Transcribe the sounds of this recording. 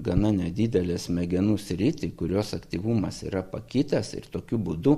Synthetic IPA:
ɡɐnɐnʲɛd̪ʲiːd̪ʲɛlʲɛsmʲɛɡʲɛnuːsʲɾʲɪt̪ʲɪkʊɾʲoːsɐkt̪ʲiːʋuːmɐsḭːɾɐpɐkʲiːt̪ɐsɪ̰rt̪oːkʲubud̪ʊ

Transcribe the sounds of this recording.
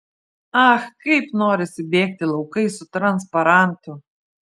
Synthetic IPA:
ɐxkɐɪpnoːɾʲɪsʲɪbʲeːk̚t̪ʲɪlˠɐʊkɐɪsʊt̪ɾɐnspɐɾɑnt̪ʊ

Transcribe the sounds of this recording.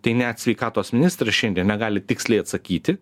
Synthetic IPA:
t̪ɐɪnʲɛt̪sʲʋʲɛɪkɑːt̪oːsmʲɪnʲɪst̪ɾɐʃʲɛnʲd̪ʲiɛnnʲɛɡɑːlʲɪt̪ʲɪksʲlʲɛɪɐt̪sɐkʲiːt̪ʲɪ

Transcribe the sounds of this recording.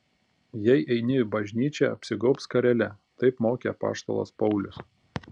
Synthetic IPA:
jɛɪʔɛɪnʲɪbɐʒʲnʲiːt͡ʃʲɛɐ̰pʲsʲɪɡɔʊpskɐɾʲɛlʲɛ | t̪ɐɪpmoːkʲḛɐpɑ̰ːʃt̪o̰ːlˠo̰ːspɒʊlʲʊs

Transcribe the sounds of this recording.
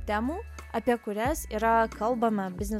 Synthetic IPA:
t̪ʲæːmuːɐpʲiɛkʊɾʲæsiːɾɐkɐlˠbɐmɐbʲɪznʲɛ

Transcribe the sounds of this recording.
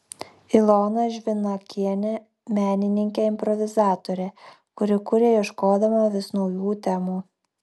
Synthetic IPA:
ɪlˠoːnɐʒʲʋʲɪnɐkʲiɛnʲɛ | mʲæːnʲɪnʲɪŋʲkʲeːɪmʲpɾɔʋʲɪzɑːt̪oɾʲeː | kʊɾʲɪkʊɾʲeːiʃkoːd̪ɐmɐʋʲɪsnɔʊjuːt̪ʲɛmuː

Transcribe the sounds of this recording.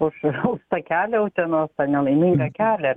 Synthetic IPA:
ʊʃʊʃt̪ɐkʲæːlʲɛʊt̪ʲɛnoːst̪ɐnʲɛlˠɐɪmʲɪŋɡɐkʲæːlʲɛ

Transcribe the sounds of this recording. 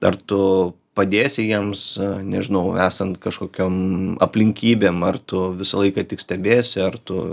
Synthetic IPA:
ɐ̰rt̪ʊ | pɐd̪ʲeːsʲɪjiɛmsnʲɛʒʲɪnɐʊæːsɐnt̪kɐʃkoːkʲoːmɐ̰pʲlʲɪŋʲkʲiːbʲeːmɐrt̪ʊʋʲɪsɐlˠɐɪkɐt̪ʲɪksʲt̪ʲɛbʲeːsʲɪɐrt̪ʊ

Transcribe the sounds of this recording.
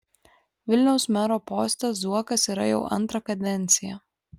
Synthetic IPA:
ʋʲɪlʲnʲɛʊsmʲæɾoːpoːsʲt̪ʲɛsuɔkɐsiːˑɾɐ̰jɛ̰ʊʔɐ̰nˑt̪ɾɐkɐd̪ʲɛnʲt̪sʲɪjɛ̰

